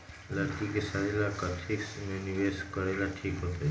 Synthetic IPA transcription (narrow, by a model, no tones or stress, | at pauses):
ləɾkikesaɾelakət̪ʰisneniʋeskəɾelaʈʰiːkɦot̪o